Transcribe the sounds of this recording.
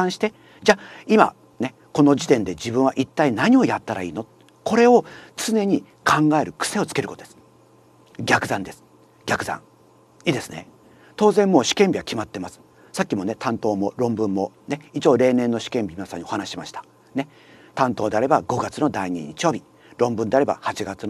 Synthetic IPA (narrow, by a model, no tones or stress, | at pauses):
ãɰ̃ɕi̥t̪e̞ | d͡ʑaːima̰ | ne̞ | ko̞no̞d͡ʑit̪ẽ̞nd̪e̞d͡ʑibɯ̃ɰ̃aʔit̪ːainaɲ̟io̞jat̪ːaɾa̰iːno | ko̞ɾe̞o̞t͡sɨne̞ɲ̟i | kʰãŋɡae̞ɾɯ̟kɯ̥se̞o̞t͡sɨ̥ke̞ɾɯkot̪od̪es | ɡʲakɯ̟zãnd̪e̞sɨ̥ | ɡʲakɯ̟zã̰ŋ | iːd̪e̞sɨne | t̪o̞ːzẽ̞mːo̞ːɕi̥kẽ̞mbʲiβakʲimat̪ːe̞masɨ̥ | sakʲːimo̞ne̞t̪ʰãnt̪o̞ːmoɾõ̞mbɯ̟̃mːo̞ne̞it͡ɕo̞ːɾe̞ːnẽ̞nːo̞ɕi̥kẽ̞mbʲimʲinasã̰ɲ̟ːio̞hanaɕiɕimaɕi̥t̪ḁ | ne̞ | t̪ãnt̪oːd̪e̞aɾe̞baɡo̞ɡat͡sɨno̞d̪aiɲ̟ḭɲit͡ɕijo̞ːbʲi | ɾõ̞mbɯ̟̃nd̪e̞aɾe̞ba̰hat͡ɕiɡat͡sɨno